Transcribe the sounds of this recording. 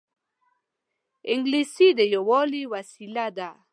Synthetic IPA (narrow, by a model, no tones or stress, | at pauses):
eŋɡlisidɛjɔwɔliwasilada